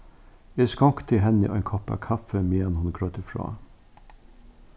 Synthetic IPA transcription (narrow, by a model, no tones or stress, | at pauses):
eːskɔkt̪ʰɪɦɛnəʔɔ̰ɛ̰nkʰɔpɑ̰kʰɑfəmeːɑnhʊnɡɾœt̪əfɹɑ̰ː